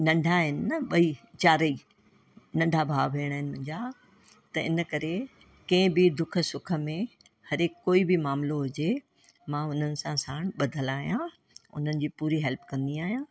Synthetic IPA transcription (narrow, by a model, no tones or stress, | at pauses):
nɐ̃ɳɖʱaɦɪnɪnɐɓɐit͡ɕaːɾəi | nɐ̃ɳɖʱabʱaːʋɦeːəɽ̃aːɦɪnɪmʊ̃ɦɪ̃ɲd͡ʑaː | t̪ɐɪ̰nəkɐɾe | kɐ̃ɪ̃bɪd̪ʊkʰə̆sʊkʰə̆mẽ | hɐɾɪkkoːibɪmaːmloɦʊd͡ʑe | mãʊn̤ənɪ̆sãsaːɽ̃ɓɐd̪ʱəlaːɦijã | ʊ̰n̤ənɪ̆d͡ʑiːpuːɾiɦɛlpkɐ̃nd̪iaːɦijã